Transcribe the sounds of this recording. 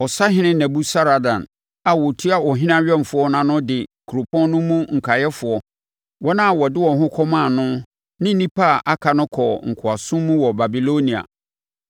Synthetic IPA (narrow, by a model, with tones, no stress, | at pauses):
ɔ˨sa˦ɦɪ̃˦nɪ̃˦næ̃˨bu˦sa˦ɾa˨dã̰˨n | a˨wɔ˨tʰu˦a˨wɔ˨ɦɪ̃˦nã˦ɥᶣɛ˦m˨fʊ˨˦ɔ˦nã˨nʊ̃˦dɪ˨kʰu˨ɾo˨pʰɔ̃˦nnʊ̃˦mũ˦ŋ̩˨kʰa˨jɛ˦fʊ˨ɔ˦ | wɔ˦nã˦˨wɔ˨dɪ˦wɔ̃˨ɦʊ̃˦kʰɔ˦mã˦˨nʊ̃˦ | nɪ̃˦n̩˦nĩ˦pʰa˦˨ʔa˦kʰa˨nʊ̃˦kʰɔ˨ŋ̩˨kʰʊ˨a˨sʊ̃˦mːũ˦wɔ˨ba˨bi˨lo˦nĩ˨a̰˨